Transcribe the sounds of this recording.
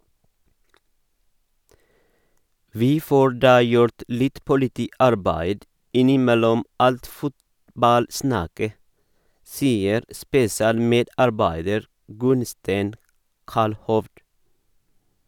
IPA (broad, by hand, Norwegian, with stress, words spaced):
ˈʋiː ˈfoː ˈɖɑː ˈjʊɾt ˈlɪt pʊlɪˈtiːˌɑɾbæɪd ˈɪnɪˌmɛlɔm ˈɑlt ˈfʊtbɑlˌsnɑkə ˈsiːəɾ spɛsɪˈɑːlˌmeːdɑɾˌbæɪdəɾ ˈɡʉnstæɪn ˈkɑlhɔʋd